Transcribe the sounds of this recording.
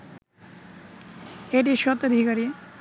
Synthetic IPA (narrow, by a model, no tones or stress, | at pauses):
eʈiʃɔt̪əd̪ʱikaɾi